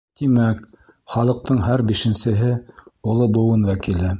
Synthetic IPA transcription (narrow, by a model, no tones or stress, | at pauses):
t̪imæk | χɑlˠɤ̆q̚t̪ɤɴɦæɾbiʃɘ̆nsɘ̆ɦɘulˠɤbŭwɤnwækilɘ